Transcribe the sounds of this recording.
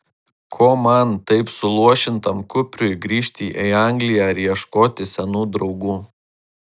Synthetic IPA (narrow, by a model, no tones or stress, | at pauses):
kʰoːmɐnt̪ɐɪpsʊlˠuɔʃʲɪnt̪ɐmkʊpʲɾʲʊɪɡɾʲiːʃʲt̪ʲiːʔɛɪɑˑŋʲɡlʲɪjæːɾʲiɛʃkoːt̪ʲɪsʲɛnuːd̪ɾɒʊɡuː